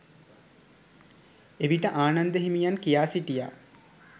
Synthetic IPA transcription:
eʋiʈəʔaːnand̪əɦimijankijaːsiʈija̰

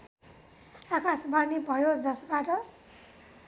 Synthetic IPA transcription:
akasbʱʌrnibʱʌjod͡zʌsbaʈʌ

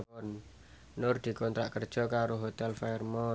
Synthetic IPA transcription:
ɔn | nʊrd̪̥i̤kɔnt̪ɾaʔkərd̥ʒ̥ɔ̤kaɾoɦot̪ɛlfaɛrmɔ

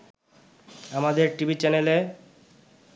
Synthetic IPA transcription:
amad̪eɾʈibʱit͡ɕɛnele

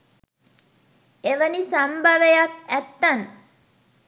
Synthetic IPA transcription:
eʋənisambʱaʋejak̚æt̪ːɐn

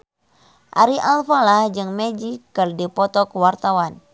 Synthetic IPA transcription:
ʔa̰ɾiʔalfalahd͡ʒɨŋmɛd͡ʒikːɨrdipɔt̪ɔkwart̪awan

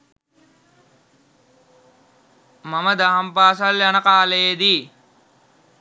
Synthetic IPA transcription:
maməd̪aɦampaːs̬aljanəkaːləjed̪iː

